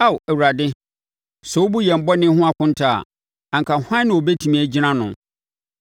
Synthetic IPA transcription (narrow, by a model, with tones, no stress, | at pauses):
a˦˨wæ˨wu˨ɾa˨dɪ˦ | sɛ˨wo˦bu˦jɛ˨m̩˨bɔ˦nɪ̃˦hʊ̃˦a˦kʰʊ̃˦n̩˦tʰa˨a̰˨ | ã˨ŋkʰa˨hã˦nɪ̃˨o˨bɛ˦tʰi˨mĩ˨æ˨d͡ʑi˦nã˦nʊ̃˨